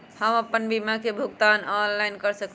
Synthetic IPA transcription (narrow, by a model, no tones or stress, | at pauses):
həməpːənbimakebʱuɡt̪anɔnlajnkəɾsək